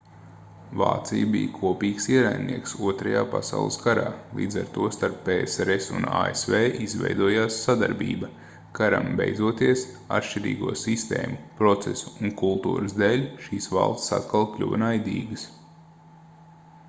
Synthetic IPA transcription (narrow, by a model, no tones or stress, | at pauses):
va̰ːt̪sijbḭjkʰuɔpʲiːksiɛɾajnnḭɛksuɔt̪ɾajaːpa̰sa̰ʊlˠɨskaɾaːlˠḭːd̪zaɾt̪uɔst̪aɾpːeːeseɾesṵna̰ːḛsveːʔizʋɛ̰jd̪uɔjaːsːad̪aɾbḭːbɐ | kaɾa̰mbejd̪zuɔt̪iɛs | a̰t̪ʃʲt͡ʃiɾḭːɡuɔsist̪ḛːmupɾɔt̪sesu̥ːŋkulˠt̪ṵːɾɨzd̪eːlʲʃiːsvɑ̰lˠst̪sa̰t̪kalˠklʲṵʋɐnajd̪ʲiːɡəs